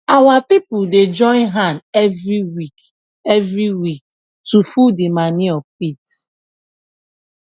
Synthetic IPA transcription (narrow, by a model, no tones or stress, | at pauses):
awapipʊded͡ʒɔ̃ɪ̃nɦãnɛvɾiwik | ɛvɹiwik̚ | tufudimaniɔp̚it